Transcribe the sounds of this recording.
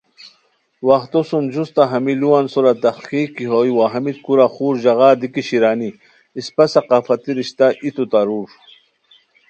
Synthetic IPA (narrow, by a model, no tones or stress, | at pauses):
waxt̪osund͡ʑust̪aɦɐmiluwansuɾat̪aχkikiɦojwaɦɐmit̪̚kuɾaχuːɾʑaɣaːd̪ikiɕiɾaːni | ispasaqaːfat̪iɾiɕt̪aʔit̪ut̪aɾuɾ